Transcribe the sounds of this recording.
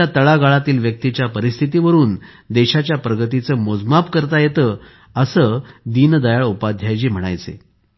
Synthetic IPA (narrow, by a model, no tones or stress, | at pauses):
at̪əɭaɡaɭat̪iːlʋjək̚t̪it͡ɕjapəɾist̪ʰit̪̬iʋəɾuːn | d̪eɕat͡ɕjapɾəɡət̪it͡səːmod͡zmapkəɾt̪ajet̪əː | əsəːd̪iːnd̪əjaɭupad̪ʱjajt͡ɕiːm̤əɽ̃a̰jt͡sḛ